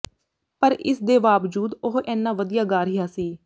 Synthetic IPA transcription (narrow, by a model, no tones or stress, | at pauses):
pəɾɪ̰sd̪eːʋaːʋd͡ʒuːd̪ʊɦʔɛːnːãːʋəd̪ijaːɡaːɾijaːsiː